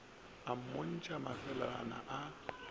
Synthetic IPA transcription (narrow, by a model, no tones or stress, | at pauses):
am̩mon̩t͡ʃʼamafɛlana̰ʔa